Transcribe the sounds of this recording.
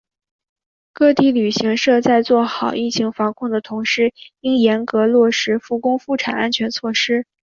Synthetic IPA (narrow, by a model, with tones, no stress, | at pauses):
kɤ˥˧t̪i˥˩ly˨˩ɕi˧˥ŋʂɤ˥˧t͡sa˥˧ɪt͡swɔ˥˩xɑ˨˩ʊʔi˥˩t͡ɕʰi˧˥ŋfɑ˧˥ŋkʰʊ˥˩ŋd̪ə˩t̪ʰʊ˧˥ŋʂɻ̩˥˩i˥ŋjɛ˧˥nkɤ˧˥lwɔ˥˩ʂɻ̩˧˥fu˥˩kʊ˥ŋfu˥˩ʈ͡ʂʰa̰˨˩na˥nt͡ɕʰɥɛ˧˥nt͡sʰwɔ˥˩ʂɻ̩˥